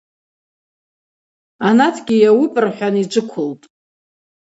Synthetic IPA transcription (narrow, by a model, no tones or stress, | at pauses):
anatʰɡʲijawipʼɨrħʷᶣanid͡ʒʷɨkʷʰʊltʼ